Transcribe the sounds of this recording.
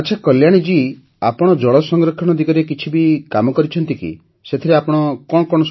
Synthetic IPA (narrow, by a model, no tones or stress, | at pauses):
at͡ʃʰakɔljaɽ̃id͡ʒi | apɔɽ̃ɔd͡ʒɔɭɔsɔŋɡɾɔkʰɔɽ̃ɔd̪iɡɔɾekit͡ʃʰibikamɔkɔɾit͡ʃʰɔnt̪ikḭ | set̪ʰiɾeapɔɽ̃ɔkɔɽ̃ɔkɔɽ̃ɔs